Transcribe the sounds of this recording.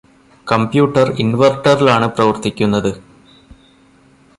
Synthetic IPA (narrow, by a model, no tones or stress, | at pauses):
kɐmbjuːʈːɐrinʋɐrʈːɐrilaːɳɨprɐʋɐrt̪ikʲːunːɐðɨ